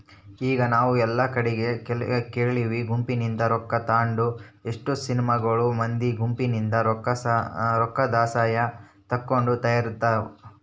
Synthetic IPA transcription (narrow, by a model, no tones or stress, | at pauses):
iːɡɐnaːʋuɛlːɐkɐɽɛɡe̞kɛlɡkeːɭɭiʋiɡumpinind̪ɐɾɔkːɐt̪aːɳɖueʂʈusinimɐɡɐɭumɐnd̪iɡumpinind̪ɐɾɐɾɔkːɐd̪aːsaːjɐ | t̪ɐkːo̞ɳɖut̪ɐjɐɾit̪ːa